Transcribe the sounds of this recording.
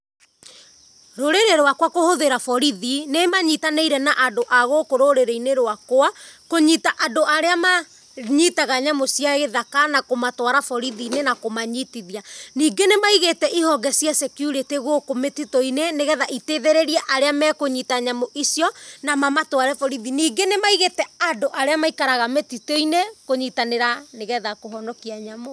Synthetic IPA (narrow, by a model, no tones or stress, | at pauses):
ɾoɾeɾeɾoakwakohoðeɾafɔɾiðinemaɲitaneiɾɛnaʔadoʔaɣokoɾoɾeɾeineɾoakoakoɲitaʔadoʔaɾeama | ɲitaɣaɲamosiaɣeðakanakomatwaɾafɔɾiðinenakomaɲitiðianiːɡenemaiɣetɛʔihɔɡɛsiasɛkjuɾeteɣokometitoineneɣɛðaʔiteðɛɾɛɾiaʔaɾeamɛkoɲitaɲamoʔisiɔnamamatwaɾɛfɔɾiðiniːɡenemaiɣetɛadoʔaɾeamaikaɾaɣametitoinekoɲitaneɾaneɣɛðakoɦɔnɔkiaɲamo